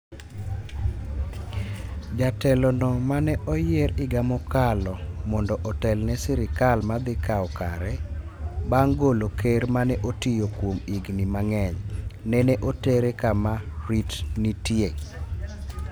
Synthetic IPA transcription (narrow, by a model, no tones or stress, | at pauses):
d͡ʒatɛlɔnɔmanɛʔɔjɪeɾɪɡamɔkalɔmɔndɔʔɔtɛlnɛsɪɾɪkalmad̪ɪkawɔka̰ɾɛ | baŋɡolokeɾmanɛʔotijokwomiɡnimaŋɛɲnɛnɛʔoteɾekamaɾitnitjeŋ